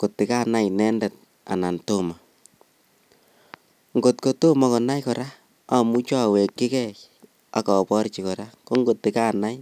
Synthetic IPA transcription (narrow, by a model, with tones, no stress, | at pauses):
ko˨tːɪ˨ka˦na˦jnɛ˦ndɛ˨t̚ | a̰˨na˨nto˦ma˨ | ŋɡo˨tko˨to˦ma˨kɔ˨na˦jkɔ˨ɾa˦ | a˨mu˦t͡ʃɔ˦˨we˨kːi˦kɛ˦j | a˦kɔ˨pɔ˦ɾt͡ʃi˨kɔ˨ɾa˦ko˦ŋɡo˨tːɪ˨ka˦na˦j